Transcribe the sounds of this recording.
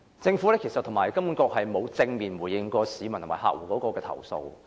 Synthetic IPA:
t͡sɪ˧ŋfuː˨˥lɛː˥ke˨˩jsɐ˨t̪ʰʊ˨˩ŋmaː˨˩jkɐ˥mu˨˥nkɔː˧k̚hɐ˨jmo˨˧wt͡sɪ˧ŋmiː˨nwuː˨˩jɪ˨˧ŋkɔː˧siː˨˧mɐ˨˩t̪ʰmːaː˨˩ha̰ː˨˧k̚wuː˨˩kɔː˨˥kɔː˧kɛː˧t̪ʰɐ̰˨˩wso̰˧w

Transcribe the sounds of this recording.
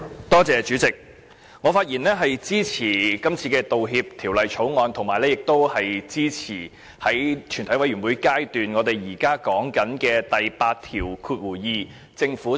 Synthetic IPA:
t̪ɔː˥t͡sɛː˨˧t͡ʃyː˨˥t͡sɪ˨k̚ | ŋɔː˨˧faː˧t̚jiː˨˩nlɛː˥ɦɐ˨jt͡siː˥t͡sʰiː˨˩kɐ˥mt͡sʰiː˧kɛː˧t̪o˨wɦiː˧p̚t̪ʰiː˨˩wlɐ˨jt͡ʃʰo˨˥wŋɔː˧nt̪ʰʊ˨˩ŋmaː˨˩jlɛː˥jɪ˨k̚t̪o˥whɐ˨jt͡siː˥t͡sʰiː˨˩ | hɐ˨˥jt͡ʃʰy˨˩t̪ʰɐ˨˥jwɐ˧jɥy˨˩nwuː˨˧jkaː˥jt̪yː˨nŋɔː˨˧t̪e˨˩jjiː˨˩kaː˥kɔː˨˥ŋkɐ˨˥nkɛː˧t̪ɐ˨jpaː˧t̚t̪ʰiː˨˩wkʰuː˧t̚wuː˨˩jiː˧ | t͡sɪ˧ŋfuː˨˥

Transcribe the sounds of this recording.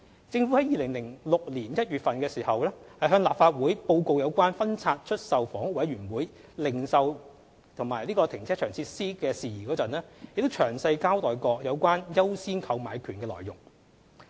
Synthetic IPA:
t͡sɪ˧ŋfu˨˥hɐ˨˦jiː˨˧lɪ˨˩ŋlɪ˨˩ŋlʊ˨k̚liː˨˩njɐ˥t̚ɥyː˨t̚fɐ˨nkɛː˧siː˨˩hɐ˨wlɛː˥hɐ˨jɦœː˧ŋlaː˨p̚faː˧t̚wuː˨˥jpo˧wko˧wjɐ˨˧wkʷaː˥nfɐ˥nt͡sʰaː˧t̚t͡ʃʰɵ˥t̚sɐ˨wfɔː˨˥ŋwɐ˨˥jɥyː˨˩nwuː˨˥j | lɪ˨˩ŋsɐ˨w | t̪ʰʊ˨˩ŋmaː˨˩jliː˥kɔː˧t̪ʰɪ˨˩ŋt͡sʰɛː˥t͡ʃʰœː˨˩ŋt͡sʰiː˧tsiː˥kɛː˧siː˨jiː˨˩kɔː˨˥t͡sɐ˨nlɛː˥jɪ˨kt̪o˥wt͡ʃʰœː˨˩ŋsɐ˧jkaː˥wt̪ɔː˨jkɔː˧k̚jɐ˨˧wkʷaː˥njɐ˥wsiː˥nkʰɐ˧wmaː˨˧jkʰyː˨˩nkɛː˧lɔ̰ː˨˩jʊ˨˩ŋ

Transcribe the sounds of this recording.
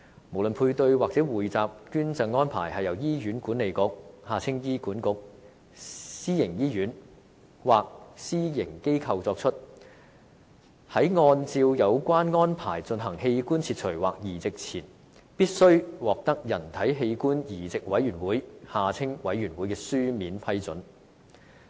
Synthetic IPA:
mo˨˩wlɵ˨npʰuː˧jt̪ɵ˧ɥwaː˨k̚t͡sɛː˨˥wuː˨jt͡saː˨p̚kyː˥nt͡sɐ˧ŋŋɔː˥npʰa̰ː˨˩jhɐ˨jɐ˨˩wjiː˥jyː˨˥nkuː˨˥nːe˨˧jkʊ˨˥k̚haː˨˩t͡sʰɪ˥ŋjiː˥kuː˨˥nkʊ˨˥k̚ | siː˥jɪ˨˩ŋjiː˥jyː˨˥n | waː˨k̚siː˥jɪ˨˩ŋke˥jkʰɐ˧wt͡sɔː˧k̚t͡ʃʰɵ˥t̚ | hɐ˨˥jŋɔː˧nt͡siː˧wjɐ˨˧wkʷaː˥nŋɔː˥npʰaː˨˩jt͡sɵ˧nɦɐ˨˩ŋɦe˧jkuː˥nt͡sʰiː˧t̚t͡ʃʰɵ˨˩ɥwaː˨k̚jiː˨˩t͡sɪ˨k̚t͡sʰiː˨˩n | piː˥t̚sɵ˥ɥwɔː˨k̚t̪ɐ˥k̚jɐ˨˩nt̪ʰɐ˨˥jɦe˧jkuː˥njiː˨˩t͡sɪ˨k̚wɐ˨˥jɥyː˨˩nwuː˨˥jhaː˨t͡sʰɪ˥ŋwɐ˨˥jːyː˨˩nwuː˨˥jkɛː˧syː˥miː˨˥npʰɐ˥jt͡sɵ˨˥n

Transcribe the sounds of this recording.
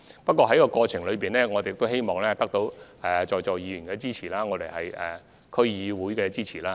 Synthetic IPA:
pɐ˥t̚kʷɔː˧ɦɐ˨˥jkɔː˧kɔː˧t͡sʰɪ˨˩ŋlɵ˨˧piː˨nlɛː˥ŋɔː˨˧te˨ɪk̚t̪o˥he˥jmɔː˨˩ŋlɛː˥t̪ɐ˥k̚t̪o˨˥wɛ˨t͡ʃɔː˨jt͡ʃɔː˨jiː˨˧jy˨˩nkɛː˧t͡siː˥t͡sʰiː˨˩laː˥ŋɔː˨˧t̪e˨˩jhɐ˨jɛ˨˩ | kʰɵ˥ɥjiː˨˧wuː˨˥jkɛː˧t͡siː˥t͡sʰiː˨˩laː˥

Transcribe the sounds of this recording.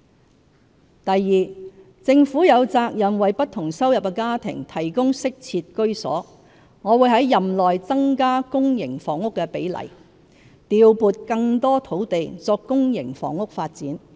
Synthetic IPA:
t̪ɐ˨jːiː˨˩ | t͡sɪ˧ŋfuː˨˥jɐ˨˧wt͡saː˧k̚jɐ˨mwɐ˨˧jpɐ˥t̪̚ʰʊ˨˩ŋsɐ˥wjɐ˨p̚kɛ˧kaː˥t̪ʰɪ̰˨˩ŋt̪ʰɐ˨˩jkʊ˥ŋsɪ˥k̚t͡sʰiː˧t̚kɵ˥ɥsɔ̰ː˨˥ | ŋɔː˨˧wuː˨˧jɦɐ˨˥jːɐ˨mlɔː˨jt͡sɐ˥ŋkaː˥kʊ˥ŋjɪ˨˩ŋfɔː˨˩ŋʊ˥kːɛː˧pe˨˥jlɐ̰˨˩j | t̪iː˨˧wpuː˨˧t̚kɐ˧ŋt̪ɔː˥t̪ʰo˨˥wt̪e˨jt͡sɔː˧kːʊ˥ŋjɪ˨˩ŋfɔ̰ː˨˩ŋʊ˥k̚faː˧t̚t͡siː˨˥n

